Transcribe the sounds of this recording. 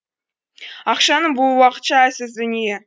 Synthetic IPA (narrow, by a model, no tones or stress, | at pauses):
ɑqʃɑnəɴbʊlˠwɑqə̥t̪ʃɑæsɪzd̪ɵnije